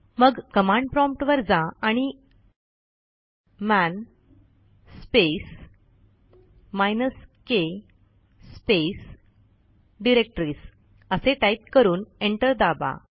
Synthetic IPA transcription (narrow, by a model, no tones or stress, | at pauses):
məɡkəmãɳɖ̚pɾɔ̃mp̚ʈʋəɾd͡zaaɽ̃i | mæn | spes | majnəske | spes | ɖiɾek̚ʈɾiːs | əseʈait̪̚kəɾuːneɳʈəɾd̪aba̰